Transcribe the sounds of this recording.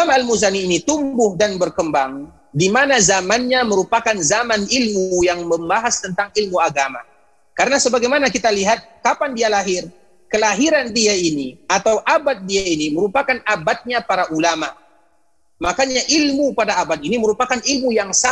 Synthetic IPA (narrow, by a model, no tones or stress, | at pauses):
amalmuzaniːnit̪umbʊhdanbərkəmbaŋ | dimanazamanɲaməɾupakanzamanilmujaŋməmbaɦast̪ənt̪aŋilmuaɡama̰ | kaɾənasəbaɡajmanakit̪aliɦat̪̚kapandialaɦɪr | kəlaɦiɾandiainiʔat̪awʔabat̪̚diainiməɾupakanabat̪̚ɲapaɾaʔulama | makaɲaʔilmupadaabat̪̚iniməɾupakanilmujaŋsa